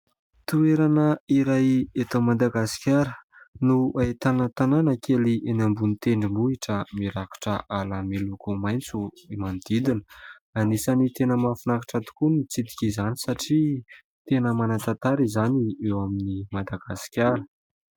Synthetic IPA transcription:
t̪ueɾanəiɾajet̪amad̪aɡasi̥kʲaɾənuaet̪anət̪ananəkʰeliʔenambunit̪eɳɖ͡ʐimuiʈ͡ʂəmiɾaki̥ʈ͡ʂəʔalamelukumajnt͡suimand̪̥id̪inə | anisanit̪enəmafinakḁʈ͡ʂat̪u̥kunit͡sid̪i̥kʲizanisaʈ͡ʂi | t̪enəmanat̪at̪aɾizaniewaminimad̪aɡ̥asi̥kʲaɾə

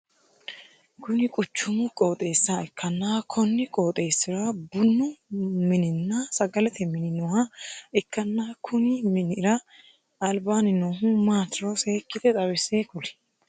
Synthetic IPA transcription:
kʊnɪkʼʊt͡ʃːʊmʊkʼo̞ːt̪ʼe̞ːsːɐɛkʰːɐnːaːkʰɔnːɪkʼo̞ːt̪ʼe̞ːsːɪɾabʊnːʊmɪnɪnːasɐɡɐlɛt̪ɛmɪnɪnɔhɐɛkːɐnːaːkʰʊnɪmɪnɪɾɐ | ɐlbaːnɪnoːɦʊmaːt̪ɪɾoseːkːɪd̪ɛt̪ʼɐwɛseːkʊlɛ̥

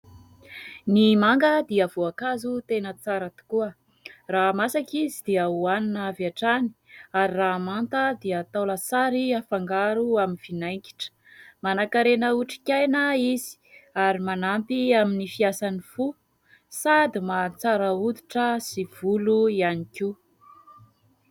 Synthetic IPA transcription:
nimaŋɡəd̪iəvoakazut̪enət͡saɾət̪u̥kuə | ramasakizid̪̥iəuaninaviaʈ͡ʂani̥aɾiramant̪əd̪iət̪awlasaɾiafaŋɡaɾuaminv̥inajŋkʲi̥ʈ͡ʂə̥ | manakaɾenəuʈ͡ʂi̥kʲajnəizi̥aɾimanampiaminifiasanifu | sad̪imat͡saɾəud̪iʈ͡ʂəsiv̥uluianiki

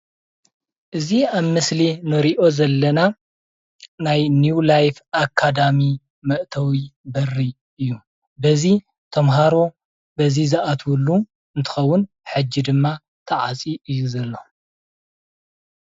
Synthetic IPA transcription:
ʔɨziaβmɨslinɨɾiʔo̞zɐlːɐna | najnjulajfakʰːad̪ami | mɐʔt̪ʰɐwibɐrːi | ʔɨjːu | bɐzi | t̪ʰɐmɦaɾo̞ | bɐzizɨʔat̪ʰwulːu | ɨnt̪ʰɨ̥xɐwːʊn | ħɨd͡ʒːid̪ɨmːa | t̪ʰɐʕa̰t͡sʼiʔɨjːuzɐlːo̞

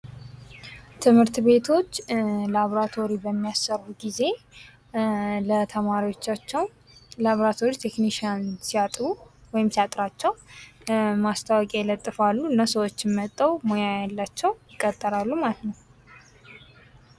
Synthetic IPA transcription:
t̪ʰɨmhɨɾt̪be̞t̪ʰo̞t͡ʃːlaβoɾat̪ʰo̞ɾibəmːijasːərbuɡize̞ | lət̪ʰəmaɾiwo̞t͡ʃːat͡ʃːɛw | laβoɾat̪ʰo̞ɾit̪ʰe̞kniʃiansiat̪ʼɾuwɔjɪmsiat̪ʼɾat͡ʃːɛw | mast̪ʰawɔkʼejɛlət̪ʼːɨfalːuɨnːasəwot͡ʃːɪmət̪ʼːəwmo̞jajalːat͡ʃːɛwjɪkʼːət̪ʼːəɾalːumalət̪nəw

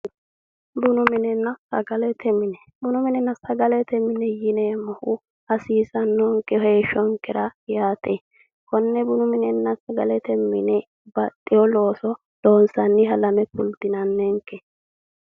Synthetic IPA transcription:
bʊnʊmɪnɛnːɐsɐɡɐlɛt̪ʰɛmɪnɛ | bʊnʊmɪnɛnːɐsɐɡɐlɛt̪ɛmɪnɛjɪnɛmɐhʊ | ɐsiːsɐnːɔŋkːɛheːʃɔŋkʼːɛɾɐjaːt̪ʼɛ | kɔnːɛbʊnʊmɪnɛnːɐsɐɡɐlɛt̪ɛmːɪ̰nɛ | bɐt̪ʼːɪjɔlo̞ːsɔ | lo̞ːnsɐnːɪɦɐlɐmɛpʊld̪ɪnɐnːɛŋkːɛ

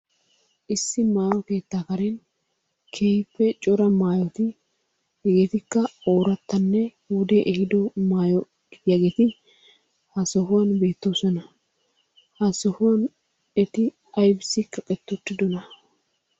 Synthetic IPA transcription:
ʔɪsːɪmaːjɔke̞ːt̪ːaːkɐɾɛn | kʰeːjpːɛt͡ʃʼɔɾɐmaːjɔt̪ɪ | jɛɡeːt̪ɪkːɐoːɾɐt̪ːɐnːɛ | wɔd̪eʔɛhɪd̪ɔmaːjɔ | ɡɪjɐɡeːt̪ɪ | hɐsɔɦʊwɐnbe̞ːt̪ːoːsɔnɐ | hɐsɔhʊwɐn | ɛt̪ɪ | ɐjbɪsɪkːɐkʼɛt̪ːʊt̪ːɪd̪ɔnɐ

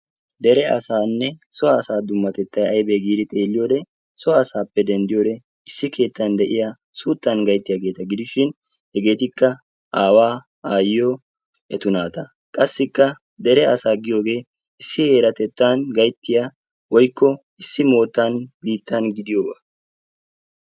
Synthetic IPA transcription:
d̪ɛɾɛɐ̰saːnːɛsɔɐːsaːd̪ʊmːɐt̪ɛt̪ːɐjɐjbɛɡiːd̪ɪt̪ʼe̞ːlːɪjo̞ːd̪ɛ | sɔaːsaːpːɛd̪ɛnd̪ɪjo̞ːd̪ɛ | ɪsːɪkʰe̞ːt̪ːɐnd̪ɛʔɪja | suːt̪ːɐnɡɐjt̪ːɪjɐɡe̞ːt̪ɐɡɪd̪ɪʃɪn | hɛɡe̞ːt̪ɪkːɐ | ʔaːwaː | aːjːo | ɛt̪ʊnaːt̪ɐ | kʼɐsːɪkːɐ | d̪ɛɾɛɐsaːɡɪjo̞ːɡe̞ː | ɪsːɪhe̞ːɾɐt̪ɛt̪ːanɡɐjt̪ːɪja | wɔjkːɔ | ɪsːɪmo̞ːt̪ːɐnbiːt̪ːɐnɡɪd̪ɪjoːbaː

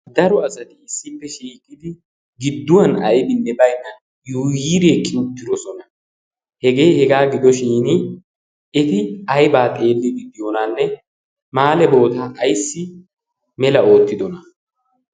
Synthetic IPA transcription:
d̪ɐɾɔɐsɐt̪ɪɪsːɪpːɛʃiːkʼːɪd̪ɪ | ɡɪd̪ːʊwɐnɐjbɪnːɛbɐjnːɐ | juːjiːɾeːkʼːɪʊt̪ːɪd̪ɔsɔnɐ | hɛɡe̞ːhɛɡaːɡɪd̪ɔʃiːnɪ | ɛt̪ɪɐjbaːt̪ʼe̞ːlːɪɡɪd̪ɪjonanːɛ | maːlɛbo̞ːt̪aːʔːjsːɪ | mɛlɐo̞ːt̪ːɪd̪ɔnɐ

